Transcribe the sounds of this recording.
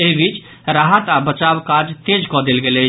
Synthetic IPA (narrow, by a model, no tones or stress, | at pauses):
eɦibʱit͡ʃ | ɾaɦat̪abət͡ʃabkad͡ʒt̪ed͡ʒkɔd̪elɡelɛ